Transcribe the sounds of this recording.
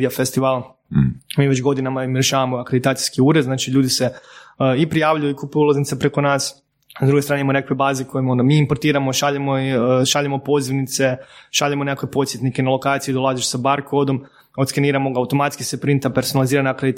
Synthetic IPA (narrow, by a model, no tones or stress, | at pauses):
iafest̪iʋaːl | miːʋet͡ʃɡo̞d̪inamaimɾjeʃaːʋamoakɾed̪it̪aːt̪sijskiuːɾed̪znaːt͡ʃiʎuːd̪iseipɾijaːʋʎujuikupuulˠaznit̪sepɾe̞ko̞naːs | azd̪ɾuɡet̪ɾaːnemonekʋebaːzekojeond̪amiːimpoɾt̪iːɾamoʃaʎemoʃaʎemo̞po̞ziʋnit̪se̞ʃaʎemonekːkʋepo̞t̪sjet̪nikenalˠo̞kaːt̪sid̪o̞lˠazeʃsabaɾkod̪o̞m | ot̪skaniːɾamo̞ɡaut̪o̞mat̪skisepɾint̪ape̞ɾsonalˠiziːɾanaakɾed̪t̪